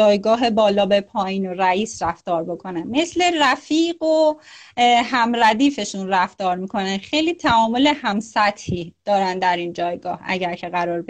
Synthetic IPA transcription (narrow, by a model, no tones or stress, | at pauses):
ɒːjɡɒːɦe̞bɒːlɒːbe̞pʰɒːjiːnoɾæiːsɾæft̪ɒːɾbo̞kʰo̞nænme̞sle̞ræfiːɢo | ɦæmɾæd̪iːfe̞ʃunræft̪ɒːɾmiːkʰo̞nænxejliːt̪ʰæɒːmo̞lehæmsæt̪hiːd̪̥ɒːɾænd̪d̪æɾind͡ʒɒːjɡɒːhæ̰ɟæɾcʰe̞ɣæɾɒːɾb